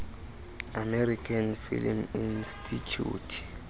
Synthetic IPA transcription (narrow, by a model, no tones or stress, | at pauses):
amɛɾikʰanfḭlminstʰitʰṵːtʰ